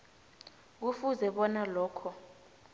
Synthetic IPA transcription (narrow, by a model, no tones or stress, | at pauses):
k̬ufuzɛɓɔnalɔːkʰɔ